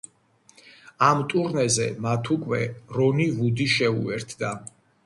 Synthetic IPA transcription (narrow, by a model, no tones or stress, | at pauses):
amt̪ʼuɾnɛzɛmat̪ʰukʼwɛɾɔnivud̪iʃɛṵɛɾt̪ʰd̪a